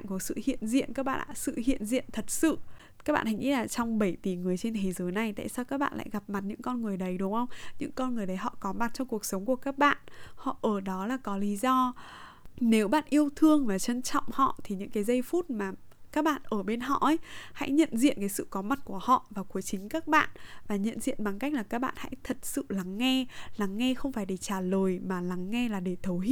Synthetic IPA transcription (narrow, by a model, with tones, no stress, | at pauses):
ŋku˧˩əsɨ̰˧˨hḭ˧˨ənzḭ˧˨ənkaː˦˥k̚ɓa̰ː˧˨ʔa̰ː˧˥sɨ̰˧˨hḭ˧˨ənzḭ˧˨ənt̪ʰə˨˩t̚sɨ̰˧˨ | ka˦˥k̚ɓa̰ː˧˨ha˧jŋʔḭ˧˥laː˨˩t͡ɕɔ˧wŋ͡mɓə˧˩jt̪i˨˩ŋɨ˨˩əjt͡ɕe˧nt̪ʰe˨˦zəː˨˦jna˨˩jt̪a̰ː˧˨jsaː˧wkaː˦˥k̚ɓa̰ː˧˨nla̰ː˧˨jɣa˨˩p̚ma˨˩t̚ɲɨ̰˧˥ŋkɔ˧nŋɨ˨˩əjɗə˨˦jɗʊ˨˦ŋ͡mʔə˧wŋ͡mɲɨ̰˧˥ŋkɔ˧nŋɨ˨˩əjɗə˨˦jɦɔ̰˧˨kɔ˨˦ma˨˩t̚t͡ɕɔ˧wŋ͡mku˨˩ək̚sə˨˦wŋ͡mku˧˩əkaː˦˥k̚ɓa̰ː˧˨nhɔ̰˧˨ʔəː˧˩ɗɔ˨˦laː˨˩kɔ˨˦li˨˦zɔ˧ | ne˨˦wɓa̰ː˧˨nʔi˧əwt̪ʰɨ˧əŋvaː˨˩t͡ɕə˧nt͡ɕɔ̰˧˨wŋ͡mhɔ̰˧˨t̪ʰi˨˩ɲɨ̰˧˥ŋkaː˨˦jzə˧jfu˦˥t̚maː˨˩ | kaː˦˥k̚ɓa̰ː˧˨nʔəː˧˩ɓe˧nɦɔ̰˧˨ʔə˨˦jha̰˧˥jɲə̰˧˨nzḭ˧˨ənkaː˨˦jsɨ̰˧˨kɔ˨˦ma˨˩t̚ku˧˩əhɔ̰˧˨vaː˨˩ku˨˦əjt͡ɕï˨˦ŋ̟kaː˦˥k̚ɓa̰ː˧˨nvaː˨˩ɲə̰˧˨nzḭ˧˨ənɓa˨˩ŋka˦˥k̟̚laː˨˩kaː˦˥k̚ɓa̰ː˧˨nha̰˧˥jt̪ʰə˨˩t̚sɨ̰˧˨la˨˦ŋːɛ˧la˨˦ŋːɛ˧xə˧wŋ͡mfaː˧˩jɗe˧˩t͡ɕaː˧˩ləː˨˩jmaː˨˩la˨˦ŋːɛ˧laː˨˩ɗe˧˩t̪ʰə˨˦wi˧˥